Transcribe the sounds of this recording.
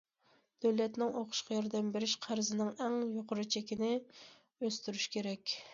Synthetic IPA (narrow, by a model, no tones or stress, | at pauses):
d̪̥øwlɛt̪nɪŋoqʰʊ̥ʃqɑjɑɾd̪ɛmbeɾɪʃqʰæɾzɪnɪŋɛŋjoqʰʊɾɨt͡ʃʰɛkʲinɪ | øst̪yɾyʃkʲʰeɾɛkʲ